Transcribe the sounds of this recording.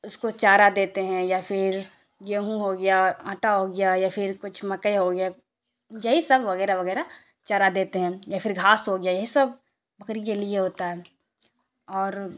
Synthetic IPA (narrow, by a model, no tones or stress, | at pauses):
ʊskot͡ʃaːɾad̪eːt̪eɦɛ̃jafʰɪɾ | ɡeɦũɦoɡɐjaə̃ːʈaɦoːɡɐjajapʰɪɾkʊt͡ʃʰmɐkəeɦoɡja | jɐɦisɐbʋɐɣɛːɾaʋɐɣɛːɾa | t͡ʃaːɾad̪eːt̪eɦɛ̃japʰɪɾɡʱaːsɦoɡɪjajɐɦisɐb | bɐkɾikelieɦoːt̪aɦɛː | ɔːɾ